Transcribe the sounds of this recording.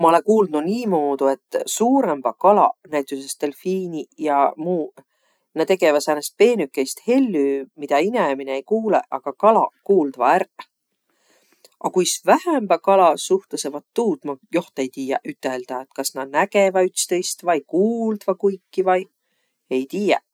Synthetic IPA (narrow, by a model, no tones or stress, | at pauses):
mɑolekuːlnuniːmoːd̪ue̞t̪ːsuːɾemb̥ɑkɑlɑ̰næjt̪ˑːuse̞st̪e̞lfiːnijɑmuː | nɑt̪e̞ɡe̞vɑsænest̪̚pe̞ːnykːˑe̞jst̪he̞lʲːyːmid̪̥ɑinemineejkuːle̞̰ʔɑɡ̥ɑkɑlɑ̰kuːld̪̥vɑæɾ | ʔɑkujsvæhæmb̥ɑkɑlɑsuht̪ɑse̞vɑt̪ːuːt̪mɑjo̞ht̪e̞jt̪iːjɑʔyt̪ːˑe̞ld̪̥ɑet̪kɑsnɑnæɡ̥e̞vɑyt̪st̪ejst̪vɑjkuːld̪̥vɑkujkːivɑj | e̞jt̪iːje